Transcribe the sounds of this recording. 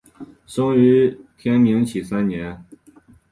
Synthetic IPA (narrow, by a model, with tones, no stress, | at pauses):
ʂɤ˥ŋy˧˥t̪ʰjɛ˥nmi˧˥ŋt͡ɕʰi˨˩sa˥nnjɛ˧˥n